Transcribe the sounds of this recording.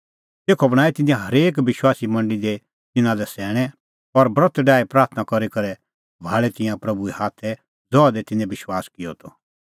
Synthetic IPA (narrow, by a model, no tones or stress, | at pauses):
t̪eːkʰɔbɐɽ̃aːɛt̪ɪ̃nĩjãɦɐɾeːk̬bɪʃwaːsimɐ̃ɳɖəlid̪e | t̪ɪ̃nãlɛsɛːɽ̃ɛ | ɔɾbɾət̪ɖaːɛpɾaːɾt̪ʰnakɔɾikɐɾɛ | bʱaːɭɛt̪ɪ̃jãpɾɐbuɛhaːt̪ʰːɛ | d͡zɔːad̪ɛt̪ɪ̃neɛ̃bɪʃwaːskɪjɔt̪ʰɔ